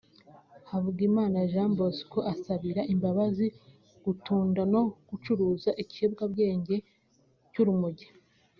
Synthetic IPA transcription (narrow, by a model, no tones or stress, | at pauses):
havuɡimaːnaʒambo̞si̥koʔasaβiɾaʔimbaβazi | ɡ̥utuːndano̞ɡ̥ut͡ʃuɾuːzaʔiciebɡabɡe̞ːɲɟe̞ | cuɾumuɟe